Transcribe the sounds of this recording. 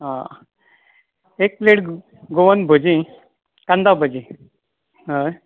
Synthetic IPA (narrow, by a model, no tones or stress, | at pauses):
ɦã | ek̚pleʈ | ɡoʋənbʱod͡ʑĩ | kãnd̪abʱod͡ʑĩ | ɦə